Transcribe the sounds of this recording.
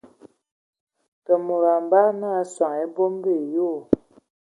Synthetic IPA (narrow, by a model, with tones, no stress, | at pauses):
tə˨mu˨ɾa˨m˨ba˦na˦swa˨ŋe˦bo˦m˦be˦˨jo˦˨